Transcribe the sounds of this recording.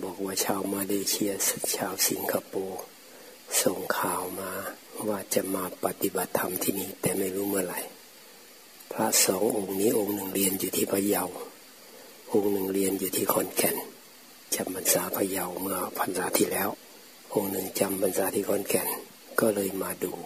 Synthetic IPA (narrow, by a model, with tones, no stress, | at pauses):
bɔː˨˩k̚waː˧t͡ɕʰaː˧˨wmaː˧leː˧t͡ɕʰi˧əst͡ɕʰaː˧˨wsi˨˦ŋkʰa˧poː˧ | so˧˩ŋkʰaː˧˩wmaː˧waː˧˩t͡ɕa˧maː˧pa˧t̪i˧˦ba˧˦t̪ʰːa˧˦mt̪ʰiː˧˨niː˧˩t̪ɛː˨˩ma˧˩jhuː˧˥˨mɯ˧ɐla˨˦j | pʰla˧sɔː˨˦ŋʔo˧ŋniː˧˥˨ʔo˧˨ŋnɯ˨˩ŋli˧ənjuː˧t̪ʰiː˧pʰaː˧ja˧˩˨w | ʔo˧˨ŋnɯ˨˩ŋli˧ənjuː˧t̪ʰiː˧kʰɔː˧˩˨nkʰɛ˧˨˩n | t͡ɕa˧˩mbʰa˧˨nsaː˨˦pʰa˧ja˧˩˨wmɯ˧ɐpʰa˨˧˦nsaː˨˦t̪ʰiː˧˨lɛː˦˥˨w | ʔo˧ŋnɯ˨˩ŋt͡ɕa˧mpʰa˧˨nsaː˨˦t̪ʰiː˧˩kʰɔː˧˥˨nkʰɛ˧˩n | kɔː˧˩lɤː˧˨jmaː˧duː˧